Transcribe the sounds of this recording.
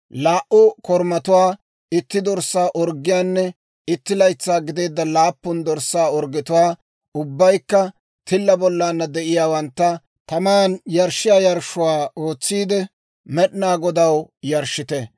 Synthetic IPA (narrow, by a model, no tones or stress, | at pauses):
laːʔʊkɔɾmɐt̪ʊwaː | ɪt̪ːɪd̪ɔɾsaːʔɔɾɡːɪjaːnːɛ | ɪt̪ːɪlɐjt͡sːaːɡɪd̪eːd̪ːɐlaːpːʊnd̪ɔɾsːaːɔɾɡɪt̪ʊwaː | ʊbːɐjkːɐ | t̪ʰɪlːɐbɔlːaːnːɐd̪ɛʔɪjaːwɐnt̪ːɐ | t̪ɐmaːnjɐɾʃɪjaːjɐɾʃʊwaːoːt͡sːiːd̪ɛ | mɛɗnaːɡɔd̪ɐwjɐɾʃɪt̪ɛ